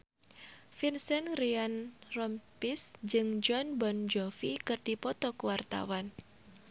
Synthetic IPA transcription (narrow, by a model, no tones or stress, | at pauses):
finsɛnrianrɔmpisd͡ʒɨŋd͡ʒɔnbɔnd͡ʒɔfikɨrd̥ipɔt̪ɔkuwart̪a̰wan